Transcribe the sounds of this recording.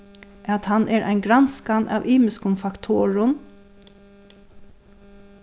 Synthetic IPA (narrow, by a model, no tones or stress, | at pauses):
ʔat̪hanʔɛɹʔa̰jnɡɾanskanʔa̰ʋʔiːmɪskʊnfakt̪ʰoːɹʊn